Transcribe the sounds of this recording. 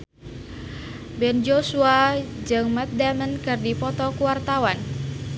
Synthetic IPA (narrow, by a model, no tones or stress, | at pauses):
bɛnd͡ʒosuad͡ʒɨŋmɛt̪̚damənkɨrdipɔt̪ɔkuwart̪awan